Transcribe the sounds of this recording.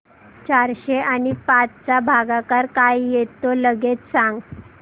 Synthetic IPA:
t͡ɕaɾɕeanipat͡st͡sabʱaɡakaɾkajjet̪oləɡet͡ssãŋɡ

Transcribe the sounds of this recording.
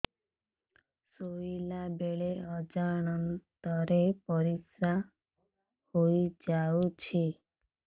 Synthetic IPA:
soilabeɭeɔd͡ʒaɽ̃ɔnt̪ɔɾepɔɾisa | hoid͡ʒaut͡ʃʰi

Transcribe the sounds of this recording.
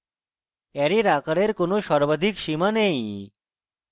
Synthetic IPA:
ɛɾiɾakaɽeɾkonoʃɔɾbad̪ʱikʃimanej

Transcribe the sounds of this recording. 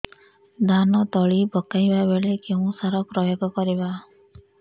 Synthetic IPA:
d̪anɔt̪ɔɭibɔkajbabeɭekeũsaɾɔpɾɔjoɡɔkɔɾiba

